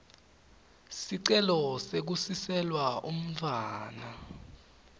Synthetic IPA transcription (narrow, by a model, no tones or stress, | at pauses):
siǀɛlɔsek̬usisɛlwaʔum̩vʰʱaːna